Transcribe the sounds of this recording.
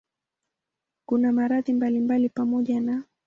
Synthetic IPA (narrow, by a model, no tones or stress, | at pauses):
kunamaɾaðimbalimbalipamɔʄana